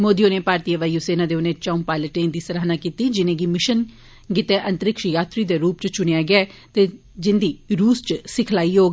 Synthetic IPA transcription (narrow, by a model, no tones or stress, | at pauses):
moːd̪ijõːnẽːpaːɾt̪iːəʋaːiːoseːnãːd̪eːʊnẽːt͡ʃaumpaːɪləʈẽːnd̪iːsəɾaːnaːkiːt̪iːd͡ʒɪnẽːɡiːmɪʃən | ɡɪt̪ɛːʔənt̪əɾɪkʃjaːt̪ɾiːd̪eːɾuːp̚t͡ʃt͡ʃʊɽ̃ejaːɡɪaːɛt̪eː | d͡ʒɪnd̪iːɾuːst͡ʃsɪkʰlaːiɦoː